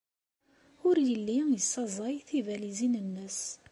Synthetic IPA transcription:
ʊɾjəlːijəsːɑzˤɑjθivælizinənːəs

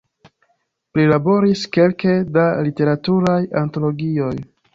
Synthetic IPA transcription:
plilabo̞ɾiske̞lkedalite̞ɾatuɾajanto̞lo̞ɡio̞j

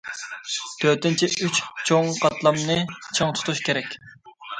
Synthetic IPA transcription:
t̪ʰøt̪ɪnt͡ʃʰiʔyt͡ʃt͡ʃʰoŋqʰɑt̪lˠɑmnɨt͡ʃʰɨŋt̪ʰu̥t̪ʰuʃkʲʰeɾɛkʲ

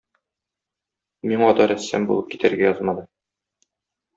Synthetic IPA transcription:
miŋɒt̪ɑɾæsːæ̰mbulˠɤp̚ki̥t̪æɾɡæjɒzmɑd̪ɤ

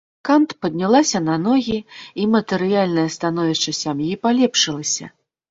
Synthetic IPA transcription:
kant̪pɐd̪ʲnʲalˠasʲɐnɐnɔɣʲiimɐt̪ɨɾɨjalʲnɐjɐst̪an̪ɔvʲiʂt͡ʂɐsʲamjipalʲɛpʂɨlˠɐsʲɐ̰

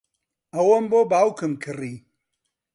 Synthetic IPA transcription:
ɐwɐmboːbaːwkɨmkʰɨri

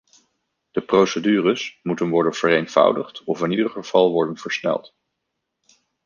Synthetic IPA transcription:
d̥əprowsədyːrəsmutənʋɔɹdənv̥ərejnv̥ʌ̰wdəχtɔfɪnidərχəv̥ɑlˠʋɔɹdənv̥əɹsnɛ̰lˠt

